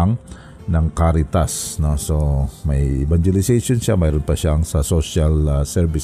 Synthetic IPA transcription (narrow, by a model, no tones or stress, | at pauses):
aŋ | naŋkaɾit̪asnɔsomajivaɲd͡ʒelisesunsamajɾunpaʃaŋsasosialsɛrvis